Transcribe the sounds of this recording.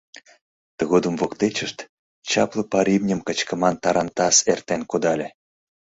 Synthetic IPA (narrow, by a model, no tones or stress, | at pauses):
t̪əɣod̪əmvokt̪et͡ɕə̆ʃt̪ | t͡ɕɑplˠɤ̆pɑɾʲibnʲə̆mkə̆t͡ɕkə̆mɑnt̪ɑɾɑnt̪ɑsert̪enkod̪ɑlʲĕ